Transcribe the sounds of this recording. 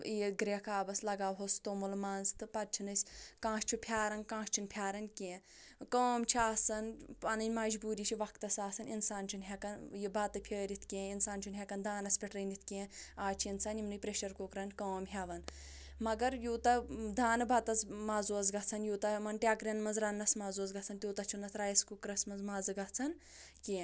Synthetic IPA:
iɡɾekʰaːbɐslɐɡaːʋɦost̪omulmaːnzt̪ɨpɐt̪̚t͡ʃʰinɨsʲkãːʃt͡ʃʰupʰjaːɾɐnkãːʃt͡ʃʰinpʲʰjaːɾɐnʲkẽː | koːmt͡ʃʰiaːsɐnpɐnɨnʲmɐd͡ʒbuːɾiːt͡ʃʰiʋɐkt̪ɐsaːsɐninsaːnt͡ʃʰinɦekɐnjibɐt̪ɨpʲʰɐːɾit̪ʰkẽːinsaːnt͡ʃʰinɦʲekɐnd̪ʱaːnɐspʲiʈɾɐnit̪ʰkẽːaːt͡ʃʰiinsaːnimnɨpɾeʃɐɾkokɾɐnkoːmɦʲeʋɐn | mɐɡɐɾjuːt̪ɐd̪ʱaːnɨbɐt̪ɐzmaːzuːɐzɡɐt͡sʰɐnjuːt̪ɐmɐnʈʲaːkɾɐnmɐnzɾɐnːɐsmaːzuːz̬ɡɐt͡sʰɐnt̪ʲjoːt̪ɐt͡ʃʰiunːɐt̪ʰɾaːjskukɾɐsmɐnzmaːzɨɡɐt͡sʰɐn | kẽː

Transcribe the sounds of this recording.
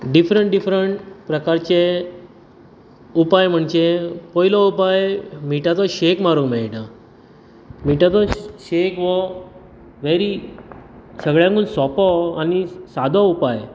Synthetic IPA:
ɖifɾəɳʈɖifɾəɳʈpɾəkaɾt͡ɕe | upajm̤əɳd͡ʑepɔilɔupajmiʈat̪ɔɕekmaɾukmeɭiɽa | miʈat̪ɔɕekʋɔ | ʋeɾi | səɡɭjãŋkuːnsɔpɔanisad̪ʱɔupaj

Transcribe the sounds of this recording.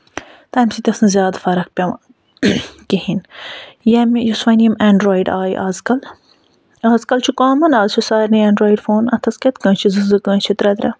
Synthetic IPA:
t̪aːjmsit̪ʲɐsnɐzʲjaːd̪fɐɾɐk̚pʲɐm | kihinjɐmjusʋɐnijɐmeːɳɖɾoːiɖaːjʔa̰ːzkɐl | aːzkɐlt͡ʃʰukaːmɐnaːzt͡ʃʰusaːɾʲniẽːɳɖɾoːiɖfoːnɐt̪ʰɐskʲet̪kɐ̃ːnt͡ʃʰizɨzɨkɐ̃ːt͡ʃʰit̪ɾɐd̪ɾʲɐ̰

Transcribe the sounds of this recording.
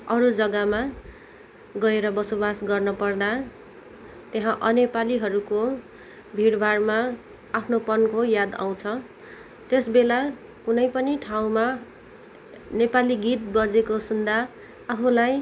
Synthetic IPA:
ʌɾud͡zʌɡama | ɡʌeɾʌbʌsobasɡʌrnʌpʌrd̪a | t̪eɦãʔʌnepaliɦʌɾuko | bʱiɽbʱarmaː | pʰnopʌnkojad̪a̰w̃t͡sʰʌ | t̪esbela | kunʌjpʌniʈʰaw̃ma | nepaliɡit̪̚bʌd͡zekosund̪aː | pʰulaj

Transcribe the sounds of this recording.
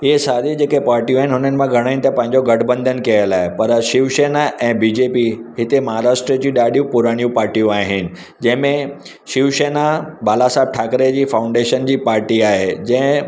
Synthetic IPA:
ɪɦesaːd̪id͡ʑeːkepaːɾʈijũaːɦɪnɪɦʊnənɪ̆mãɡʱɐɽ̃aːinɪ̆t̪ɐpɐ̃ɦɪ̃ɲd͡ʑoɡɐɖʰʱbə̃nd̪ʱənkiəlaːɦepɐɾʃɪʋʃeːnaʔɛ̃ːbid͡ʑeːpiɦɪt̪emɐɦaɾaːʃʈɾəd͡ʑĩɗaːɗijũpʊɾaːɽ̃ijũpaːɾʈijũaːɦɪnɪ̆ | d͡ʑɐ̃ɦɪ̃mẽ | ʃɪʋʃeːnaɓaːlasaːb̚ʈʰaːkɾed͡ʑiːfaːʊ̃ɳɖeːʃənd͡ʑiːpaːɾʈiaːɦed͡ʑɐ̃ɦɪ̃

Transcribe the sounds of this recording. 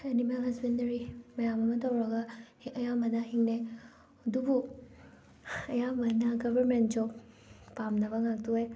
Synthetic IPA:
enimelɦɐzbendɐɾimɐjamɐmɐtɐwɾɐɡa | ɐjamɐdaɦiŋne | dubu | ɐjamɐnɐɡɐbɐɾment̚d͡ʒow | pamnɐbɐŋak̚tuaj

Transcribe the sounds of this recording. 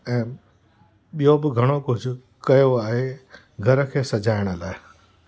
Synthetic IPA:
ɛ̃ː | ɓijobɪɡʱɐɽ̃okʊt͡ʃʰ | kɐjoaːɦe | ɡʱɐɾəkʰeːsɐd͡ʒaːɪɽ̃əlaːe

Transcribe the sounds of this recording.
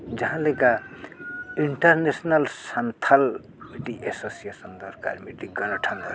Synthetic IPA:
d͡ʒʌɦãleka | iɳʈʌɾnesnʌlsant̪ʰal | miʈiʔesosijesʌnd̪ʌɾka̰ɾmiʈiɡʌnʌʈʰʌnɡ

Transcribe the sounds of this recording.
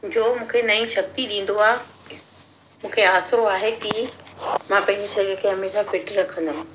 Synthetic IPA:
d͡ʑoːmũːkʰenɐĩʃɐk̚t̪iɗĩːn̆d̪oaːɦe | mũːkʰeaːsɾoaːɦeki | mãːpɐ̃ɦɪ̃ɲd͡ʑisɐɾkʰeɦɐmeːʃapɪʈɾɐkʰə̃nd̪ənɪ̃

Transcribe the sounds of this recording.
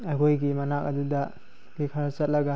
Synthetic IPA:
akʰojɡimɐnakɐdudɐ | bikʰɐɾat͡ʃɐt̚lɐɡa

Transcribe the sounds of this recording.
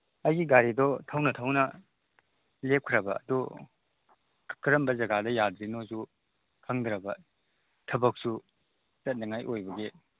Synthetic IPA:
ɐjɡiɡaɾidɔtʰɐwnɐtʰɐwnɐ | lep̚kʰɾɐbɐ̰ːdu | kʰɐɾɐmbɐzɐɡadɐjad̪ɾinozu | kʰɐŋd̪ɾɐbɐ | tʰɐbɐk̚su | sɐt̚nɐŋajʔojbɐɡe

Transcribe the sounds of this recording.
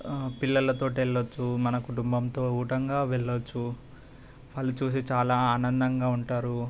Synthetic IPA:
piɭːɐlɐt̪o̞ːʈiɛɭːot͡ʃːumɐnɐkuʈumbɐmt̪o̞ːuːʈɐŋɡaːʋeɭːot͡ʃːu | ʋaːɭːut͡ʃuːs̬it͡ʃaːlaːaːnɐnd̪ɐŋɡaːuɳʈaːɾu

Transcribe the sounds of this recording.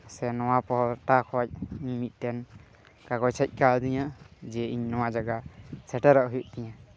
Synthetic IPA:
sɛnɔwapɔʈakʰɔwac̚iɲmit̪̚ˀt̪ɛn | kaɡɔjt͡ʃʰɛc̚ˀkald̪iɲãd͡ʒɛiɲnɔwad͡ʒaɡasɛʈɛɾɔʔɦujuʔ̚t̪ɛɲa

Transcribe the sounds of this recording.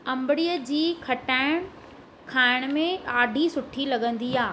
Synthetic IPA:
ɐ̃mbɪɽijəd͡ʑiːkʰɐʈaːɪɽ̃ | kʰaːɪɽ̃mẽaːɖʱisʊʈʰilɐɠə̃nd̪iaː

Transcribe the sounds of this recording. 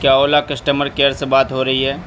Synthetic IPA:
kjaːoːlakɐsʈəməɾkeːəɾsebaːt̪ɦoɾɐɦiɦɛː

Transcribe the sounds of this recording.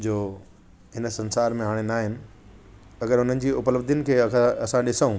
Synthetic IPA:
d͡ʑoː | ɦɪn̆sɐ̃nsaːɾmẽɦaːɽ̃enaːɦɪnɪ̆ | ɐɡəɾʊn̤ənɪ̆d͡ʑiːʊpləbd̪ʱənɪ̆kʰeːɐsãɗɪsəũ

